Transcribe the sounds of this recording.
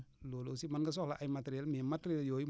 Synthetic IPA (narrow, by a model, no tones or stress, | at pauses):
lolosimanɡas̬ɔhlaʔajmateɾialmematɾialjoji